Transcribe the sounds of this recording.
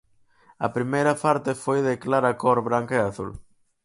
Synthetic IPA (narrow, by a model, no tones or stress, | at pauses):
ɐ̰pɾimejɾɐpaɾt̪efojðɪklaɾɐkoɾβɾaŋkaeaθṵl